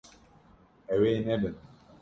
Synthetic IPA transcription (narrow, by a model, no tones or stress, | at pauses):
ɛwenɛbɛn